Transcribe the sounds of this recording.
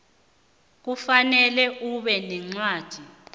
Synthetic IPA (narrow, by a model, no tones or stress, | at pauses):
k̬ufanɛlɛʔuɓɛnɛŋ͡ǀḁːd̥ʱi